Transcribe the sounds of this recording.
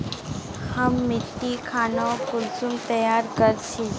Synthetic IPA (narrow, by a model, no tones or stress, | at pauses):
hɐmːɪt̪ːikʰaːnaokʊlsʊmt̪ɐjaːɾkɐɾt͡ʃʰe